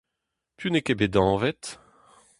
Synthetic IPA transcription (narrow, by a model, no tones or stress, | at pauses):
pʰynekebed̪ɑ̃ːvɛt̪